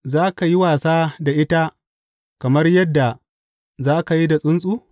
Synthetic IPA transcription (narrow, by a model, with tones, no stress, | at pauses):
zaː˦ka˨ji˦waː˨saː˦da˨ʔɪ˦ta˦ | kɐ˨mɐ˦rjɐ˦dːa˨ | zaː˦ka˨ji˦da˨sʼʊ˦nsʼuː˦